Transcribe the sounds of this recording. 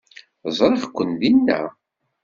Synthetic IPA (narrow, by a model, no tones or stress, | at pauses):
zˤɾˤeχkʷːənd̪inːæ̰